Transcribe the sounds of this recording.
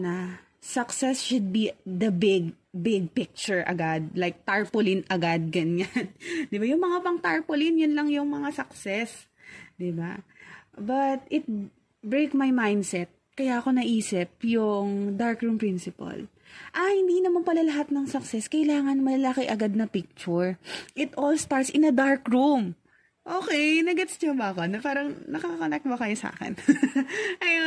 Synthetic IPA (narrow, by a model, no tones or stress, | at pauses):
nɐ | sɐksɛsʃʊd̪̚bid̪ɐbɪɡbɪɡ̚pɪk̚t͡ʃʊɹʔɐ̰ɡad̪̚lajk̚t̪aɹpʊlɪnɐɡad̪̚ɡɐnand̪ɪbajʊŋmɐŋapɐŋt̪aɹpʊlɪnjʊnlɐŋjʊŋmɐŋasɐk̚sɛs | d̪ɪba | bɐt̪̚ɪt̪̚ | bɹejkmajmajnd̪sɛt̪̚kɐjaːko̞nɐʔiːsɪp̚jʊŋd̪aɹkɹumpɹinsɪpɐ̰l | ʔɐhɪnd̪iːnɐmanpɐlɐlɐɦat̪̚nɐŋsɐksɛskɐʔɪlaːŋɐnmɐlɐlakɪʔɐɡad̪̚nɐpɪk̚t͡ʃʊɹʔɪt̪ʔolst̪aɹt̪sʔɪnɐd̪aɹkɹum | ʔoːkɛjnɐɡɛt̪sɲɐbɐɐkonɐpaːɾɐŋnɐkaɐkɐnɛk̚bɐkɐjosa̰ːkɛ̰n | ʔɐj